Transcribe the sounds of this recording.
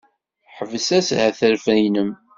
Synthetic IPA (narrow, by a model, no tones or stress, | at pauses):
ħəvəsæshæθəɾfæjnəm